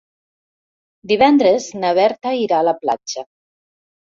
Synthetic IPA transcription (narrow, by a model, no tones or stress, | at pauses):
d̪iβɛnd̪ɾeznaβ̞ɛɾt̪aiɾaːlapla̰t͡ʃə